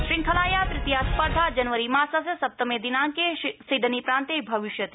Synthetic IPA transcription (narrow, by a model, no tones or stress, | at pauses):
ʃɾɪŋkʰɐlaːjat̪ɾɪt̪ijaːspɐɾd̪ʱaːd͡ʒɐnʋəɾimaːsɐsɐsɐp̚t̪əmẽd̪inãːŋkesiɖənipɾãːnt̪ebʱɐʋɪʃjɐt̪